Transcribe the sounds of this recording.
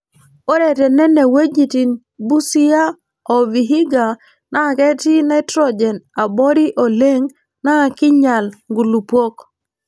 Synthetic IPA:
o˦ɾe˨tɛ˨nɛ˦nɛ˨we˦d͡ʒi˨ti˨n | bu˦si˦a˦ | ɔ˨vi˨ɦi˦ɡa˨ | na˦˨kɛ˦ti˦na˦ɪ˦tɾɔ˦d͡ʒɛ˨na˨bɔ˦ɾi˦ʔo˨le˦ŋ | na˦˨kɪ˦ɲa˨lŋɡu˨lu˨pwo˦k

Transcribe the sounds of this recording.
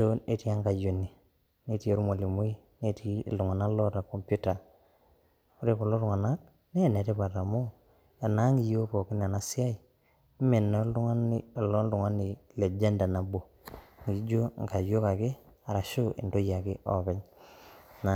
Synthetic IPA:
o˦ne˨˦ti˦a˦ŋɡa˨jo˨ni˨ | ne˨ti˦e˦ɾu˦mo˨li˨mu˦i˦ | ne˦ti˨ldu˨ŋa˨na˦lɔ˦ta˨kɔ˨mpju˦ta˨ | ku˦ɾe˦ko˨lo˦tʊ˨ŋa˨na˦k̚ | ne˦˨ne˨te˦pa˨ta˨mo˦ | a˨na˨˦ŋɡi˨jo˦po˨kɪ˦n˨a˨na˦si˦a˦i˨˦ | me˨nːa˨˦ldu˦ŋa˦n˨lɔ˦ldu˨ŋa˦ni˨le˨d͡ʒe˦nda˨na˨bo˨ | ŋɡi˨d͡ʒo˦ŋ˨ka˨jo˦ka˨kɪ˦a˨ɾa˨ʃu˦ʔḭ˨ndo˦ja˨kɪ˦ʔɔ̰˦pɛ˦ɲ | na˨

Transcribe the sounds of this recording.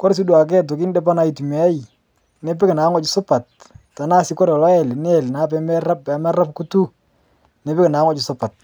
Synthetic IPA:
kɔ˦ɾs̬i˦du˨a˨k̬ɛ˦t̬ʊ˨ki˦ndɛ˦pa˦na˨˦i˨tu˨mɛ˨˦j | ne˦pɪ˦kɪ˨na˨˦ŋɔ˦t͡ʃɪ˨sʊ˦pa˨t̚ːa˨na˦sɪ˦kɔ˦ɾɔ˨lɔ˦ɛ˨ln˦ɛ˨lna˦pɛ˦mɛ˦ra˦pɛ˨˦mɛ˦ra˦pku˦tu˦ | ne˨pɪ˦kɪ˨na˨˦ŋɔ˦t͡ʃɪ˨sʊ˦pa˨t̚

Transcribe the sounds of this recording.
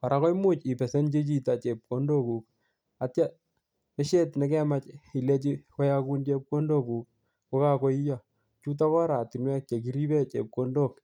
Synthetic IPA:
pa˨ɾa˦kɔ˦jmu˦t͡ʃi˨pɛ˨se˦nt͡ʃe˦t͡ʃi˦ta˨t͡ʃe˨p̚kondo˦ku˨k̚ | a˨tja˦ | e˦ʃe˦tnɛ˦kɛ˦ma˦t͡ʃi˨le˦t͡ʃi˦kɔ˦ja˦ku˦nt͡ʃe˦p̚ko˦ndo˦ku˨k̚ | ko˦ka˦ko˦i˦ja˨ | t͡ʃu˦t̬a˦kɔ˦ɾa˨ti˨nwɛ˦k̚t͡ʃe˨ki˨ɾi˦bɛ˦t͡ʃḛ˨p̚ko˦ndo˦k

